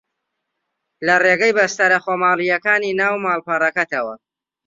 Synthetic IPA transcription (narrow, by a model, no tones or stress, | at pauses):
lɐreɡɐjbɐst̪ɐɾɐχomaːlijɐkaːniːnaːwmaːlˠpɐrˤɐkɐt̪ɐwɐ̰